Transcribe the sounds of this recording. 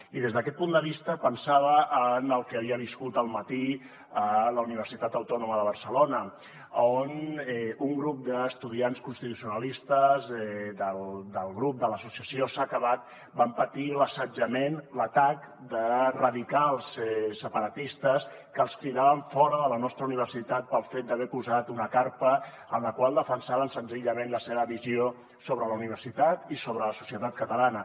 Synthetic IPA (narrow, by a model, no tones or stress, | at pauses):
iðezðəkɛt̪̚pund̪əβ̞ist̪əpənsaβəʔːnəlˠkəəβiəβiskut̪əlˠmət̪i | ələuniβ̞əɾsit̪at̪əwt̪ɔnuməðəβ̞əɾsəlonə | onɛuŋɡɾup̚d̪əːst̪uðianskunst̪it̪usiunəlist̪əzɛd̪əld̪əlˠɣɾup̚d̪ələsusiəsiosakəβat̪̚ | bampət̪iləsəd͡ʒəmenlət̪ak | d̪ərəðikalˠsɛsəpəɾət̪ist̪əs | kəːlˠskɾiðaβəɱfɔɾəðələnɔst̪ɾəuniβ̞əɾsit̪at̪̚pəlˠfet̪̚d̪əβɛpuzat̪unəkaɾpə | ənləkwalˠd̪əfənsaβənsənziʎəmẽnləseβəβizio | soβɾələuniβ̞əɾsit̪at̪isoβɾələsu̥siət̪at̪̚kət̪əlanə